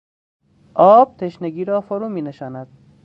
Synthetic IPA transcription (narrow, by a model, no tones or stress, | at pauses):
ɒːb̚t̪ʰeʃneɡiːɾɒːfoɾuːmiːneʃɑːnad̪̥